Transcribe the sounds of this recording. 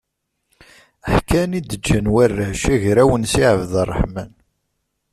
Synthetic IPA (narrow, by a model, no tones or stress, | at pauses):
əħkænid̪əd͡ʒːənwærːəʃæʝɾæwənsiʕəvðɑrˤːəħmæn